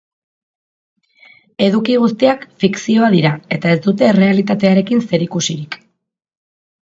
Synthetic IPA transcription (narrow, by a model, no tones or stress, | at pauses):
e̞ðukiɣ̞ust̪iakfiksio̞að̞iɾae̞t̪ae̞zd̪ut̪e̞re̞alit̪at̪e̞aɾe̞kinse̞ɾikusiɾik